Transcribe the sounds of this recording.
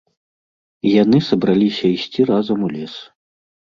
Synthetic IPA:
janɨsɐbɾalʲisʲɐisʲt͡sʲirazɐmulʲɛs

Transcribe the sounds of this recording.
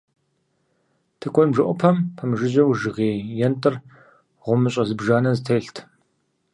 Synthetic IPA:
tʰɨkʷʰʼɔnbʒɨʔʷʼɔpʰɐmpʰɐmʒɪʑɐwʒɨʁeːjɛntʼɨr | ʁʷʊmɨɕʼɐzɨbʒaːnɐzɨtʰejɬtʰ

